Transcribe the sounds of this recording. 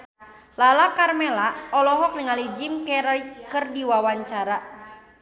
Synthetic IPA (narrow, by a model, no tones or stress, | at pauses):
lalakarmelaɔlɔɦɔk̚niŋalid͡ʒimkɛɾaikɨrdiwawaɲt͡ʃaɾa